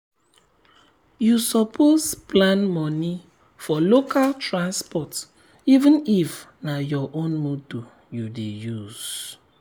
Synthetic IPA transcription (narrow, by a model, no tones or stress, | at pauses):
jusɔpʰosplãnmɔni | fɔlokaltɹãnspɔt | ivə̃nif | najɔʔõnmoto | judejuz̥